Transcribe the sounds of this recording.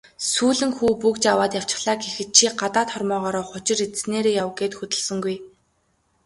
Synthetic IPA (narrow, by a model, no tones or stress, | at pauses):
suːɮɘ̆ŋxuːpukt͡ɕawaːt̪jaw̥t͡ɕɪ̆χɮaːɡexɘ̆t̪̚t͡ɕʰiːɢat̪aːt̪χɔrmɔːʁɔːɾɔːχʊt͡ɕɪ̆rit͡ssneːɾeːjawɡeːt̪xɵt̪ɵ̆ɮsɵ̆ŋɡuj